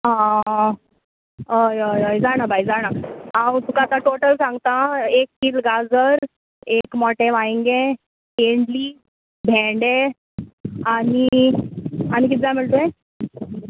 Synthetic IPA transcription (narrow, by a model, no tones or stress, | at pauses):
ɦã | əjəjəjd͡zaɽ̃abʱajd͡zaɽ̃aat̪ukat̪ãʈoʈəlsãŋɡt̪ãekːiːlɡad͡zəɾ | ekmɔʈẽʋaĩŋɡẽ | keɳɖliː | bʱɛɖe | ani | añik̬it̪d͡zaməɭt̪oẽ